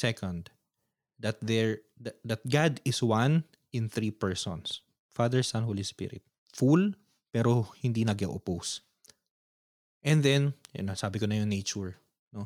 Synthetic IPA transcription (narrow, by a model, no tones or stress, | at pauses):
sɛkɔ̃nd̪ | d̪ɐt̪̚ðɛɹ | d̪ɐt̪̚ɡad̪ɪswan | ɪ̃nθɾipɛɹsɔ̰̃ns | fad̪ɛɹsanholispɪ̰ɾɪ̰t̪̚ | ful | pɛːɾohɪnd̪inɐɡɛʔopos | ʔɛ̃nd̪ɛn̰nɐsaːbɪkonɐjoŋnejt͡ʃʊɹ | no